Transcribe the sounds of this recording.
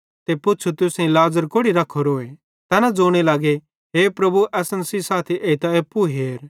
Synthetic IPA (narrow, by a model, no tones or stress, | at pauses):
t̪epʊtːt͡ʃʰut̪ʊsĩlaːzəɾkoɽiɾɐkʰːoɾoːe | t̪ɛːnad͡zoːɽ̃elaːɡe | ɦeːpɾɐbuʔɛːsənsisaːt̪ʰiʔeit̪aeːpːuɦeːɾ